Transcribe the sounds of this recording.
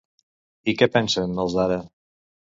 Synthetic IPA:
ikɛpɛnsənːəlˠzaɾə

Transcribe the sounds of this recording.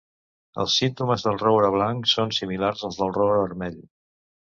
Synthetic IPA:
ə̰lˠsint̪uməzðəlˠrowɾəβ̞laŋksonsimilarzəlˠzðəlˠroɾəβəɾmɛʎ

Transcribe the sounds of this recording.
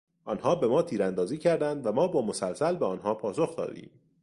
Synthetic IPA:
ʔɒːnɦɒːbe̞mɒːt̪ʰiːɾænd̪ɒːziːcʰæɾd̪ænd̪væmɒːbɒːmo̞sælsælbeɒːnɦɒːpʰɒːsoxd̪ɒ̰ːd̪ḭːm

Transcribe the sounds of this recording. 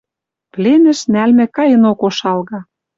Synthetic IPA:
plenɘ̆ʃnælmɘ̆kɑjə̆nokoʃɑlɣɑ

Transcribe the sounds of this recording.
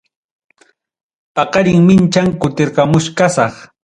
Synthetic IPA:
pɑqɑɾɪŋmɪnt͡ʃaŋkʊt̪ɪɾɢɑmʊʃkasɑχ

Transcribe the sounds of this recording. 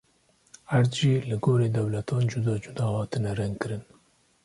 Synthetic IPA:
hæɾd̪ʒiːlɨɡoːɾeːd̪ɛwlɛt̪ʰɑːnd͡ʒʊd̪ɑːd͡ʒʊd̪ɑːhɑːt̪ɨnɛɾɛŋɡkɨɾɨn

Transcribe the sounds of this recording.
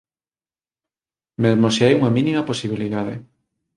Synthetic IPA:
mezmoseajuŋɐminimɐposiβ̞iliðað̞ḛ

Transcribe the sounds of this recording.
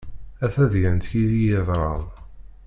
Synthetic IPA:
æθæðjænt̪jiðijəðˤɾˤɑðˤ

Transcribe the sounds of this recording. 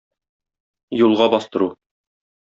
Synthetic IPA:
julˠʁɑbɒst̪ɤ̆ɾu

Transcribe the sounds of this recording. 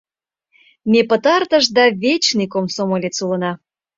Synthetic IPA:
mepət̪ɑrt̪əʃd̪ɑβʲet͡ɕnikomsomolʲet͡sulə̆nɑ

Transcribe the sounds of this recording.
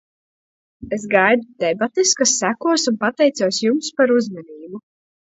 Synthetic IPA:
esɡajd̪ud̪̥ɛbat̪eskasːækuɔsunpat̪ɛjt̪suɔsjumspaɾuzmɛniːbu

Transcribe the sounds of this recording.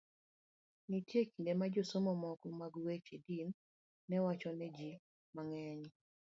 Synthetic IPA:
nitjekindemad͡ʒosomɔmɔkɔmaɡuwet͡ʃedinː | ɛwat͡ʃɔnɛd͡ʒi | maŋɛɲ

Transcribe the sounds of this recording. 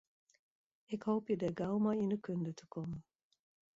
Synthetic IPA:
ɪkɦowpjədəɡɑwmajɪndəkɵndətə̥komən

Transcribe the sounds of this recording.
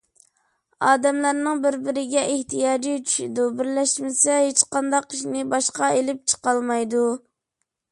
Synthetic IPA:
ɑːd̪ɛmlæɾnɪŋbɪɾbɪɾɪɡʲɛʔeht̪ʰijɑːd͡ʒit͡ʃʰy̥ʃid̪ubɪɾlɛʃmɪsɛhet͡ʃqɑnd̪ɑqiʃnɪbɑʃqɑelɪp̚t͡ʃʰə̥qɑlˠmɑjd̪u

